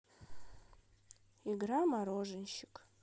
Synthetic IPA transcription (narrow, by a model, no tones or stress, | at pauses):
iɡramaɾoʐɨnʃɪkʼ